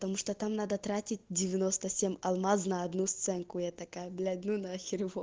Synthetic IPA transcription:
pət̪ɐmuʂt̪ot̪amnad̪ət̪ɾatʲɪt̚ʲdʲɪvʲɪnost̪əsʲemʲɐlˠmaznɐːd̪nust̪sɛnkʊjat̪ɐkajəblʲad̪ʲnunɐxʲɪɾʲvo

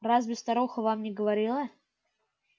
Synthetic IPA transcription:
razbʲɪst̪ɐɾoxəvamnʲɪɡəvɐɾʲilˠə

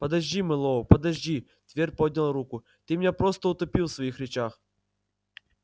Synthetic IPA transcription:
pəd̪ɐʑʲdʲimɨlˠopəd̪ɐʑʲdʲi | t̪vʲer̚ʲpod̪ʲnʲəlˠrukʊ | t̪ɨmʲnʲapɾost̪əʊt̪ɐpʲilˠfsvɐixɾʲɪt͡ɕax

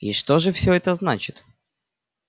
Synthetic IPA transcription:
iʂt̪oʐɨfsʲɵɛt̪əznat͡ɕɪt̪

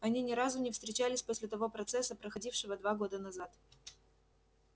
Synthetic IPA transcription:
ɐnʲinʲɪɾazʊnʲɪfst̪ɾʲɪt͡ɕælʲɪsʲposʲlʲɪt̪ɐvo̞pɾɐt̪sɛsːəpɾəxɐdʲifʂɨvəd̪vaɡo̞d̪ənɐzat̪

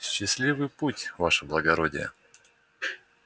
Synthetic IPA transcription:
ɕːɪsʲlʲivɨjputʲvaʂəblˠəɡɐɾodʲɪ̰jə̰

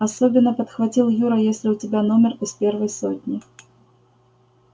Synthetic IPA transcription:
asɔbʲɪnːɐpɐt̪xvat͡sʲilˠjuɾɐjɛsʲlʲɪut͡sʲɪbʲanɔmʲɛrispʲɛrvɐjsɔt̪ʲnʲi

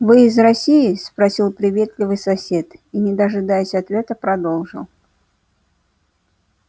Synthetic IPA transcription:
vɨːzrɐsʲijɪspɾɐsʲilˠpɾʲɪvʲe̞t̪lʲɪvɨjsɐsʲe̞t̪inʲɪd̪əʐɨd̪ajɪsʲɐt̪vʲe̞t̪əpɾɐd̪o̞lˠʐɨ̰lˠ

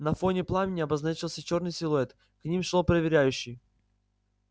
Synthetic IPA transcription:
nɐfo̞nʲɪplˠamʲɪnʲɪɐbɐznat͡ɕɪlˠsʲət͡ɕo̞rnɨjsʲɪlˠʊɛt̪ | knʲimʂlˠopɾəvʲɪɾʲæjʉɕːɪj

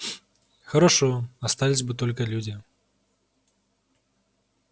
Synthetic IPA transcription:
xɐɾaʂɔast̪alʲizʲbɨt̪ɔlʲkɐlʲud͡zʲi

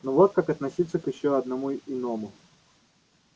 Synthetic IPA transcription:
nuʋɔt̪̚kakɐt̪nɐsʲit̪sʲːɐkɪɕt͡ɕːɛɐd̪nɐmuiinɔmʊ

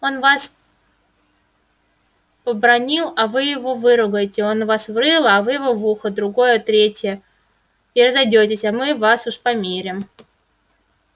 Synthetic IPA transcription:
o̞nvas | pəbɾɐnʲilˠɐvɨjɪvo̞vɨɾʊɡəjɪtʲɪo̞nvasvrɨlˠɐvɨjɪvo̞vuxəd̪ɾʊɡo̞jət̪ɾʲetʲɪjə | iɾəzɐjdʲotʲɪsʲamɨvasuʂpɐmʲeɾʲɪm

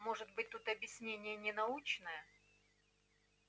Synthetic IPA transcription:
mo̞ʐɨt̪̚bɨt̚ʲt̪ut̪ɐbʲjɪsʲnʲenʲɪjənʲɪnɐut͡ɕnəjə

